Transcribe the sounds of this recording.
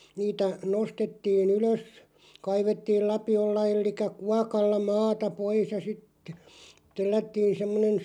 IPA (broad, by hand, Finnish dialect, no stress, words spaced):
niːtæ nostetːiːn yløs kɑiʋetːiːl lɑpiolːɑ elːikˑæ kuɑkɑlːɑ mɑːtɑ pois jɑ sitːe̥ telːætːiːn semːonen